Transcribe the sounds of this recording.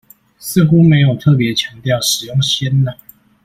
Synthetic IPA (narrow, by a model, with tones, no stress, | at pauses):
s̩˥˨xu˦˥me˧˦ɪjo˨˩ʊt̪ʰɤ˥˨p̬jɛ˨˦t͡ɕʰjɑ˧˥ŋt̪jɑ˥˨ʊʂɻ̩˨˩jʊ˥˨ŋɕjɛ˦nnə˦